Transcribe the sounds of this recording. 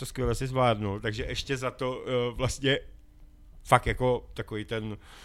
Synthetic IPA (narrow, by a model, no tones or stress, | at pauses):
t̪oskvʲjɛlɛsɪzvlaːdnowt̪aɡʒɛʔɛʃcɛzat̪ovlast̪ɲɛ | fakt̪jako̞t̪akovijt̪ɛn